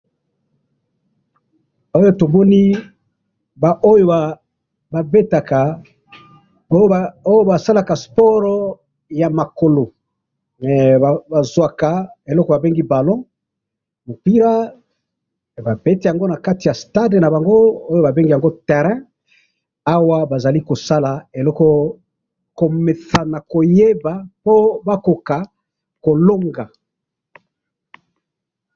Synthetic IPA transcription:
o˦jo˦to˨mɔ˦ni˦ | ba˨ʔo˦jo˦a˨ | ba˨be˦ta˨ka˨ | o˦ja˨o˦jo˦ba˨sa˦la˨ka˨spɔ˦ʁɔ˦ | ja˨ma˨ko˨lo˨ | mɛ˨a˨ba˨zwa˨ka˨e˨lɔ˦kɔ˨ba˨be˦ŋɡi˦ba˨lɔ̃˦ | mo˨pi˦ʁa˦ | ba˨be˦ti˦ja˨ŋɡo˦na˨ka˦ti˨ja˨sta˦dna˨ba˨ŋɡo˦o˦jo˦ba˨be˦ŋɡi˦ja˨ŋɡo˦tɛ˨ʁɛ̃˦ | a˦wa˦ba˨za˨li˦ko˨sa˦la˨e˨lɔ˦kɔ˦ | ko˨me˨sa˨na˨ko˨je˦ba˨po˦ba˦ko˨ka˨ | ko˨lo˦ŋɡa˨

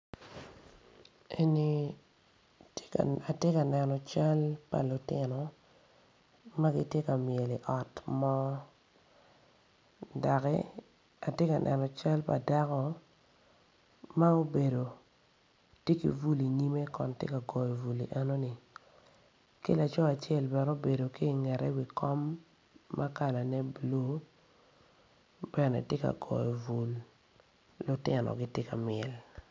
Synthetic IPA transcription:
e˦ni˨ | a˨tje˦ka˨nɛ˨nɔ˨t͡ʃa˦lpa̰˨lʊ˨tɪ˨nɔ˨ | ma˦ɡi˦tje˦ka˨mje˨li˨ʔɔ˨tmɔ˦ | da˨kɛ̰˦ | a˨tje˦ka˨nʔɛ̰˨nɔ˨t͡ʃa˦lpa̰˨da˦kɔ˨ | ma˦o˦be˨do˨ | tje˦kḭ˨vu˦li˨ɲi˦me˦kɔ˨ntjḛ˦ka˨ɡɔ˨jɔ˨vu˨li˨ʔɛ˦no˦ni˨ | kḛ˦la˨t͡ʃɔ˦a˨t͡ʃɛ˦˨lbɛ˨ɾo˦be˨do˨ki˦˨ŋɛ˨ɾɛ˦wi˨kɔ˦mː | a˦ka˨la˨nɛ˦blo˦ | bɛ˨nɛ̰˨tje˦ka̰˨ɡɔ̰˨jɔ˨vu˨lː | ʊ˦tɪ˨nɔ̰˨ɡɪ˦tje˦ka˨mɪɛ˨l

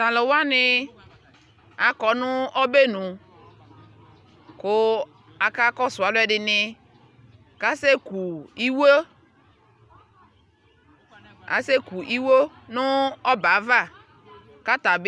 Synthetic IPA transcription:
ta˨lɔ˨wa˦nɪ˦ | a˨kɔ˨nʊ˦ɔ˦be˦nʊ̃˨ | kʊ˦ | a˨ka˦kɔ˦sʊ˨a˨lʊ˦ɛ˨dɪ˨nɪ˨ | ka˦se˦ku˨i˦wo˦ | a̰˨se˦ku˨ʔi˦wo˦ | nʊ˦ɔ˦ba˨˦va˦˨ | ka˦ta˨b

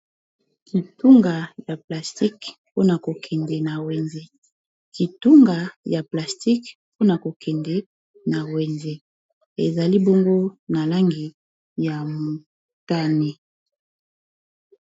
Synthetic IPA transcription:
ki˨tu˦ŋɡa˨ja˨pla˨sti˦kpo˦na˨ko˨kʰɛ˨ndɛ˨na˨wɛ˨nze˦ | ki˨tu˦ŋɡa˨ja˨pla˨sti˦k | po˦na˨ko˨kʰɛ˨ndɛ˨ | na˨we˨nze˦ | e˨za˨li˦bo˦ŋɡo˦na˨la˦ŋɡi˨ | ja˨mo˨ | ta˦ni˦

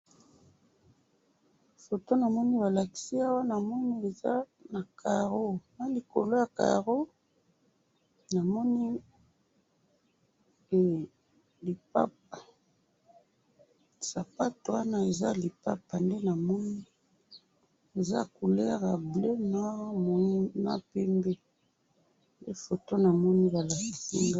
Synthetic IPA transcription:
fo˨to˦na˨mɔ˦ni˦ba˨la˨ki̥˦si˦a˦wa˦na˨mɔ˦ni˦e˨za˦ | na˨kʰa˨ʁo˦na˦li˨ko̰˨lo˦ja˨ka̰˨ʁo˦ | na˨mɔ˦ni˦˨ | li˨pa˦p̚a˨ | sa˨pa˦to˨wa˦na˦e˨za˦li˨pa˦pa˨nde˦na˨mɔ˦ni˦ | e˨za˦ku˨lɛ˦ʁa˨ble˦na˦mo˨˦na̰˦pɛ˦mbe˦ | nde˦fo˨to˦na˨mɔ˦ni˦ba˨la˨si˨si˦ŋɡa˦

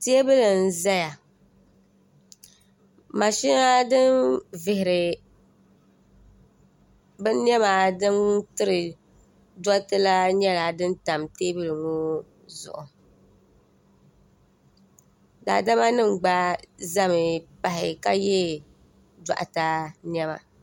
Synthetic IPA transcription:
te˦e˦bɨ˦lɨ˨n̩˨za˦ja˨ | ma˨ʃɪ˦na˦dɨ˦nvɪ˨hɪ˨ɾɪ˨ | bɨ˦n˦ɛ˦maː˨dɨ˦ntɨ˦ɾɨ˨ | da˦tɨ˦la˦ɲɛ˦la˨dɨ˦n˦ta˨mteː˦bɨ˦lɨ˨ŋo˦ | zʊ̰˨ʔʊ˨ | da̰ː˨da˦ma˦nɨ˦mɡ͡ba˦za˦mɪ˨pa˨hɪ˨ka˦jɛ˦ | da̰˨ʔa˨ta˦nɛ˦ma̰˨

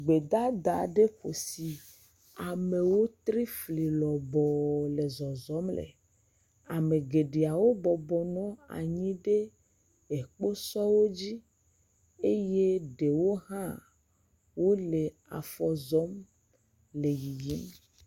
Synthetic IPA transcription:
ɡ͡be˨d̪a˦d̪a˨ɖe˦ɸo˨si˨ | a˨me˨wo˦t̪ɾi˦fli˨lɔ˨bɔ˨le˨zɔ˨zɔ˨˦mlḛ˨ | a˨me˨ɡe˨ɖe˨a˨wo˦bɔ˨bɔ˨nɔ̃˨˦a̰˨ɲĩ˦ɖe˦ | e˨k͡po˦sɔ˦wo˦d͡ʑi˦ | e˦je˦ɖe˨wo˦ɦã˦ | wo˦le˨ | a̰˨fɔ˨zɔ˦m | le˨ji˨ji˦m

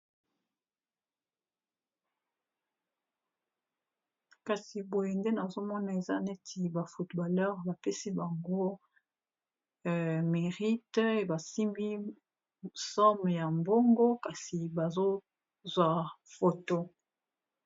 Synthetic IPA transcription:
ka˨si˨bo˨je˨nde˦na˨zo˦mɔ˦na˨e˨za˦ne˦ti˨ba˨fu˨tba˨lœ˦ʁba˨pe˦si˦ba˨ŋɡo˦˨ | me˨ʁi˦te˨ba˨si˦mbi˦˨ | sɔ˦m˨ja˨mbo˦ŋɡo˦ka˨si˨ba˨zo˦ | zwa˨fo˨to˦

